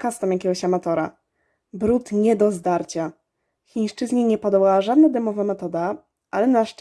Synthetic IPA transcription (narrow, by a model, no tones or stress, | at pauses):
kast̪amjakʲɛɡɔɕamat̪ɔɾa̰ | bɾut̪ɲɛd̪ɔzd̪aɾt͡ɕa | xʲĩj̃ʂt͡ʂɘzɲɛɲɛpɔd̪ɔwawaʐad̪̚nad̪ɛmɔvamɛt̪ɔd̪a | ʔalɛnaʂt͡ʂ